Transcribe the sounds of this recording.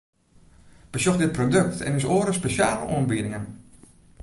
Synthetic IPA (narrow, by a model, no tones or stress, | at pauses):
b̥əsjoxdɪt̚prodøk̚tɛ̰nɪs̬oːəɾəspeʃjaːlə̰ʔo̰ənbiəɾɪŋən